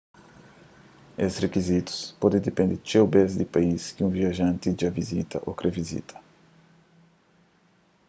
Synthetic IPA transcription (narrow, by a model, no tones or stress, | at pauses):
esrekizit̪u̥spɔd̪ẽd̪epẽnd̪ɪt͡ʃewbezd̪ɪpaiskɪũviaʒɐ̃nt̪id͡ʒɐvizit̪ɐ̰ʔokɾevizḭt̪ʰɐ̥